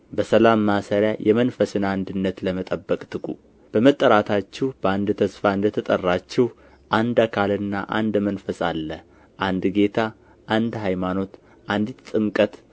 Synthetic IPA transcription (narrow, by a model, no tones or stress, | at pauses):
bəsəlamːasəɾjajʔɛmənfəsɨnand̪ɨnːət̪ləmət̪ʼəbːəkʼt̪ʰɨkʼu | b̥əmət̪ʼːəɾat̪ʰat͡ʃːɛhb̥əand̪t̪ʰəsfaɨnd̪ət̪ʰət̪ʼərːat͡ʃːɛh | ʔand̪akʰalɨnːa̰ʔa̰nd̪mənfəsa̰lːəh | ʔand̪ɡe̞t̪ʰa | ʔand̪ɦajmano̞t̪ | ʔand̪it̪t̪ʼɨŋkʼət̪